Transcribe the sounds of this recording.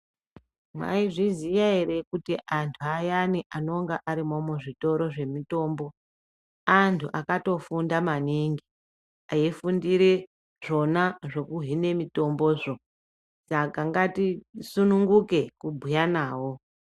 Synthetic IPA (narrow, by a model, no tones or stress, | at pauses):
mwa̰iʐizijaeɾekutiʔantʰuajaniʔano̞ŋɡaʔaɾimomwuʐito̞ɾo̞ʐe̞mito̞ːmbo̞ | antʰuʔakato̞fundamaniŋɡi | aifundiɾe | ʐo̞naʐo̞kuɦine̞mito̞mbo̞ːʐo̞ | sakaŋɡatisunuŋɡuke̞kubʱujanaːwo̞